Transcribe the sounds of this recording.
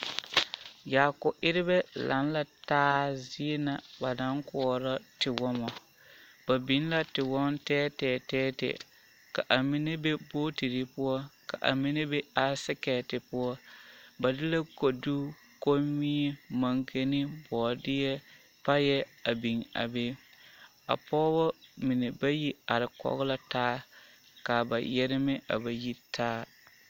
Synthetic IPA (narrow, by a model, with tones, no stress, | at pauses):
jaː˨kʊ˨ʔɪ˦ɾɪ˦bɛ˦la̰˨˦n˦la˨taː˦zɪ˦e˦na˨ba˨na˨˦ŋkɔ˦˨ɔ˨ɾa˦tɪ˨wɔ˦mɔ˨ | ba˨bi˨˦n˦la˦tɪ˨wɔ˦mtɛː˦tɛː˨tɛː˦tɛ̰˨ | ka˨ʔa˨mɪ˦ne˦be˦boː˦ti˨ɾɪ˨pʊ˦ɔ˦ka˨ʔa̰˨mɪ˦ne˦bɛ˦a˦sɪ˦kɛː˨tɪ˨pʊ˦ɔ˦ba˨dɪ˦la˦ko˨du˦ | ko˦mi˦ɛ˦ma˦ŋkʰe˦nɪ˦bɔː˨dɪ˦jɛ˦ | pa˦jɛ˦a˨bi˨ŋa̰˨be˦ | a̰˨pʰɔː˦bɔ˦mɪ˨ne˨ba˦ji˦a˨ɾɪ˨kɔ̰˦ɣɪ˦la˦taː˦ | ka˨ba̰˨jɛ˦ɾɪ˦mɪ˦ʔa̰˨ba˨ji˦tʰaː˦